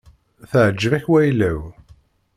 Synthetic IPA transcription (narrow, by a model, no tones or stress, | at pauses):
θəʕəd͡ʒːəvæçwæjlːæw